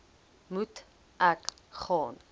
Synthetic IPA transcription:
mut | ʔækχɑːn

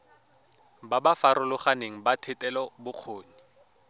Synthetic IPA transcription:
babafaɾʊlʊχaneŋ̩batʰɪtʼɛlɔbʊq͡χʰoːɲi

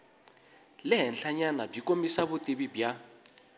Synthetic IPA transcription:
lɪɦɛnɬaɲanab͡ʐikomisaβutʼiβibja

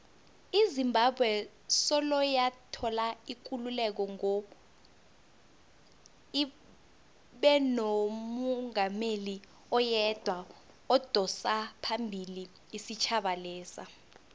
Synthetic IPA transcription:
izimbʱabʱwɛ | sɔlɔjatʰɔlaik̬ululɛk̬ɔŋɔ | i | ɓɛnomɔŋameli | ɔjɛd̥ʱwa | ɔd̥ʱɔsapʰambʱiliː | sit͡ʃʰaɓalɛːsa̰

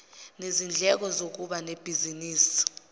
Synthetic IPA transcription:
nezind͡ɮʱɛk̬ɔzok̬uɓaneb̥ʱiziniːsi̥

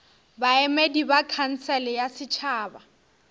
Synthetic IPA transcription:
baɛmedibakʰan̩sɛlɪjasɪt͡ʃʰaːba

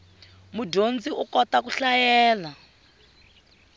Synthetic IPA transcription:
muɟond͡ziukɔtakuɬajɛːla

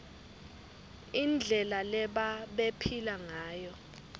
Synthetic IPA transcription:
ind͡ɮʱɛlalɛɓaɓepʰilaŋaːjɔ

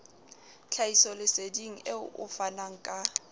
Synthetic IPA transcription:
t͡ɬʰaisɔlɪsediŋ̩eʊ̰fanaŋ̩kʼa

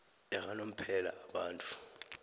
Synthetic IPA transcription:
ɛɣanom̩pʰɛla̰ːɓaːntʼu̥

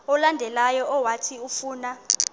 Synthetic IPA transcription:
ɔlandʱɛlajɔɔwatʰiufuːna

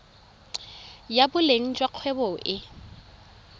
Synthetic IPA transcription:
jabʊleŋ̩d͡ʒʼwaq͡χʰwɛbɔʔɪ

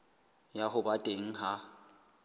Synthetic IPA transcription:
jaɦʊbatʼeŋ̩ɦa

